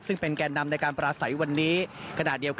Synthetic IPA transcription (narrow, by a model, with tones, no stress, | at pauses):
sɯ˥˩ŋpe˧nkɛː˧nːa˧mna˧jkaː˧npɾaː˧sa˩˦jwa˧nːiː˦˥kʰa˧naː˨˩t̪̚di˧əwk